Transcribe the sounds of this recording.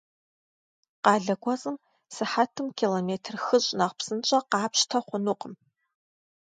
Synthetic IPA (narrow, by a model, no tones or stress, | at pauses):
qɑːɮɐɡʷɔzʼɨm | sɨħatʰɨmkʰiːlomeːtʰrxɨɕʼnɐʁpsɨnt͡ʃʼɐqɑːpɕtʰɐχʷʊnuqʼəm